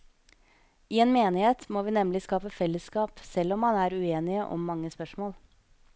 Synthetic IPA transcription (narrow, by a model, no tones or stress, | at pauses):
ʔiːeːnmeːnɪheːt̪moːʋiːnɛmlɪskɑːpəfɛlːəskɑːpsɛlːɔmhɑnæːɾʉeːnɪəʔɔ̰mːɑŋːəspœʂmoːl